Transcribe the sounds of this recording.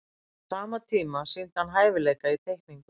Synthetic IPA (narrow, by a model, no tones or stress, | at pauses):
saːmat̪ʰiːmasint̪hanɦaːjvɪleːjkait̪ʰejhkniŋkʏ